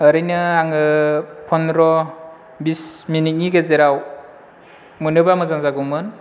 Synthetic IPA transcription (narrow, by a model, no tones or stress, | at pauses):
ɯɾɯjnɯaŋɯpʰɔnɾɔ | bisminit̚niɡezeɾaw | mɯnɯbamɯzaŋzaɡumɯn